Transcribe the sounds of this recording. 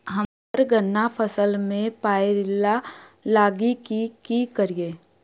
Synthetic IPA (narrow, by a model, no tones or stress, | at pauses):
ɦə | ɾɡənːapʰəsəlmẽpaːeɾɪlːalaːɡikikikəɾiẽː